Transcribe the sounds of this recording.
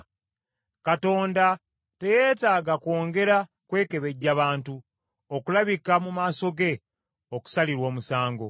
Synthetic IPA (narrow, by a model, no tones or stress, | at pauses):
kato̞ːnda | te̞je̞ːtaːɡakwo̞ːŋɡe̞ɾa | kwe̞ːke̞βe̞ɟːaβaːntu | okulaβikamumaːso̞ɡe̞ | oku̥saliɾwo̞ːmusaːŋɡo̞